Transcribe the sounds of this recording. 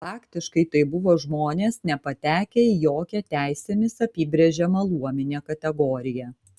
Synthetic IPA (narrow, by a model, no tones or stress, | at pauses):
fɑːkt̪ʲɪʃkɐɪt̪ɐɪbʊʋoːʒmoːnʲeːsnʲɛpɐt̪ʲæːkʲɛjoːkʲɛt̪ʲæˑɪsʲɛmʲɪsɐpʲiːbʲɾʲeɛʒʲɛmɐlˠuɔmʲɪnʲeːkɐt̪ʲɛɡoːɾʲɪjɛ